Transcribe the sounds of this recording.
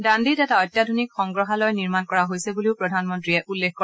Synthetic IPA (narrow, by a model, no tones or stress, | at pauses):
dandidɛtaɔjtːjadʱonikxɔŋɡɹɔɦalɔjniɹmankɔɹaɦojsɛbuliʊpɹɔdʱanmɔntɹiɛʔulːexkɔɹɛ